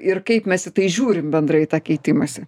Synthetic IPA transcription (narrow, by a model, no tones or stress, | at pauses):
ɪrkɐɪpmʲɛsɪt̪ɐɪʒʲuːɾʲɪmbʲɛnd̪ɾɐɪt̪ɑːkʲɛɪt̪ʲɪmɐsʲɛ